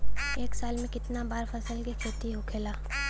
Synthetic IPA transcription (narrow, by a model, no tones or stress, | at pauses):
eːksaːlmẽkɪt̪nabaːɾfɐsəlkikʰeːt̪iɦʊkʰeːlaː